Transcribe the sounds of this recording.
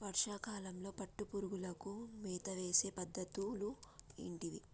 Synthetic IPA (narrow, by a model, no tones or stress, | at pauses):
ʋɐɾʂaːkaːlɐmlo̞ːpɐʈːupuɾuɡulɐkumiːt̪ɐʋe̞ːse̞ːpɐd̪ːɐt̪uluḭɳʈiʋi